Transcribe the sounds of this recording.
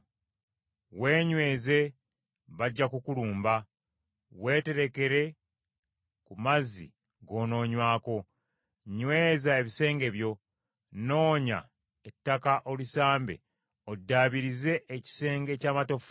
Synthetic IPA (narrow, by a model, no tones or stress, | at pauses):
we̞ːɲwe̞ːze̞ | βaɟːakukuluːmba | we̞ːte̞ɾe̞ke̞ɾe̞ | kumazḭ | ɡo̞ːno̞ːɲwaːko̞ | ɲwe̞ːzaeβise̞ːŋɡe̞βjo̞ | no̞ːɲa̰ | etːakaʔolisaːmbe̞̰ | odːaːβiɾize̞ʔːci̥se̞ːŋɡe̞caːmato̞f